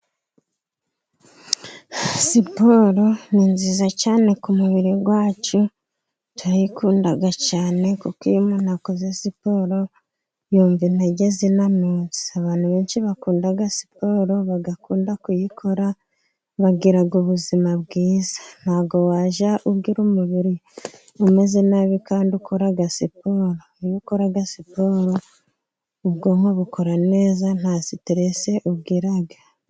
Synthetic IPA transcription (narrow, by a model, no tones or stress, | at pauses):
sipoɾoniːnzizacaːne̞kumuβiɾiɡwaːt͡ʃu | twajikuːndaɡacaːne̞kukimunhakozesipo̞ɾo | juːɱvinaɟezinamuːzi̥aβaːn̥huβeːnʃiβakuːndaɡasi̥po̞ɾo̞βaɡakuːndakujikʰo̞ɾa | βaɡiɾaɡoβuzimaβɡiːzḁn̥haːɡo̞waːʒaʔuβɡiɾumuβiɾi | ume̞zenaβikaːndukoɾaɡasipoːɾo̞ijikoɾaɡasipoːɾo̞ | uβɡo̞ŋoβukʰo̞ɾane̞ːzan̥haziteɾese̞ʔuβɡiɾaɡa